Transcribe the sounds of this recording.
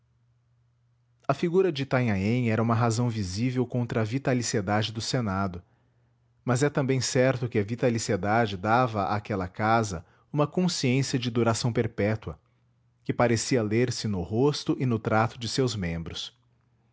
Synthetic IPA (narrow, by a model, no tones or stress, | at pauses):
ɐfiɡuɾɐd͡ʒɪt̪aɲaẽj̃ɛɾɐũmɐɦazɐ̃w̃vizivewkõnt̪ɾɐːvit̪alised̪ad͡ʒɪd̪ʊsenad̪ʊ | mɐzɛt̪ɐ̃bẽj̃sɛɾt̪ʊkɪɐvit̪alised̪ad͡ʒɪd̪avɐa̰ːkɛlɐkazɐ | ũmɐkõsiẽsiɐd͡ʒɪd̪uɾasɐ̃w̃peɾpɛt̪wɐ̰ | kɪpaɾesiɐleɾsɪnʊhost̪ʊʔɪnʊt̪ɾat̪ʊd͡ʒɪsewzmẽmbɾʊs